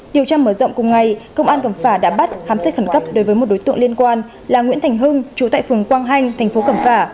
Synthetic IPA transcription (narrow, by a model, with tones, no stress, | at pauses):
ɗi˨˩əwt͡ɕaː˧məː˧˩zə̰˧˨wŋ͡mkʊ˨˩ŋ͡mŋa˨˩jkə˧wŋ͡mʔaː˧nkə˧˩mfaː˧˩ɗa̰ː˧˥ɓa˦˥t̚xaː˨˦msa˦˥t̚xə˧˩nkə˦˥p̚ɗo˨˦jvəː˨˦jm˨˩t̚ɗo˨˦jt̪ɨ̰˧˨ŋli˧ənkwaː˧n | laː˨˩ŋwḭ˧˥nt̪ʰɛ˨˩jŋ̟ɦɨ˧ŋt͡ɕu˨˦t̪a̰ː˧˨jfɨ˨˩əŋkwaː˧ŋɦa˧jŋ̟t̪ʰɛ˨˩jŋ̟fo˨˦kə˧˩mfaː˧˩